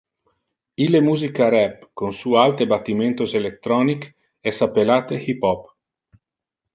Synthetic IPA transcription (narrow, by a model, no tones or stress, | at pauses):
ilːemuːzikaɾɛbkonsualt̪ebat̪ːiment̪oselet̪ːɾɔːnik | ɛsapːelaːt̪ehipɔp